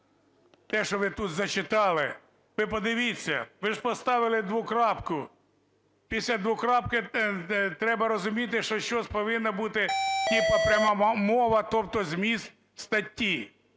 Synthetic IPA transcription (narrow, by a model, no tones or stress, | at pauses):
t̪ɛʃɔʋɪt̪ut̪zɐt͡ʃɪt̪ɑlˠɪ | ʋɪpɔd̪ɪʋʲit͡sʲːɐ̰ʋɪʒpɔst̪ɑʋɪlˠɪd̪ʋʊkɾɑpkʊ | pʲisʲlʲɐd̪ʋʊkɾɑp̚kɪ | t̪ɾɛbɐɾɔzʊmʲit̪̬ɪʃt͡ʃɔʃt͡ʃɔsʲpɔʋɪnːɐbut̪ɪtʲipɐpɾʲɐmɑmɔʋɐt̪ɔp̚t̪ɔzmʲist̪ | st̪ɐtʲːi